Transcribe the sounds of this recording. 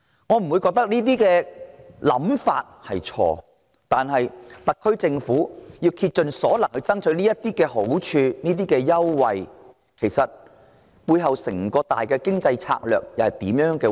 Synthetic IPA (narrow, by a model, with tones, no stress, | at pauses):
ŋɔː˨˧m̩˨˩wu˨˧jkɔː˧k̚t̪ɐ˥k̚niː˥t̪̬iː˥kɛː˧lɐ̰˨˧˥mfa̰ː˧t̚hɐ˨jt͡ʃʰɔ̰ː˧ | t̪aː˨nɦɐ˨jt̪ɐ˨kʰːɵ˥ɥt͡sɪ˧ŋfuː˨˥jiː˧wkʰiː˧t̚t͡ʃɵ˨nsɔː˨˥lɐ˨˩ŋhɵ˧ɥt͡sɐ˥ŋt͡ʃʰɵ˨˧˥ɥniː˥jɐ˥t̪iː˥kɛː˧ɦo˨˥wt͡ʃʰyː˧niː˥t̪̬iː˥kɛː˧jɐ˥wwɐ˨j | kʰe˨˩jsɐ˨t̚ | puː˧jɦɐ˨wsɪ˨˩ŋkɔː˧t̪a̰ː˨jkɛː˧kɪ˥ŋt͡sɐ˧jt͡sʰa̰ː˧k̚lœ̰ː˨k̚jɐ˨˩whɐ˨jt̪iː˨˥mjœː˧˥ŋkɛː˧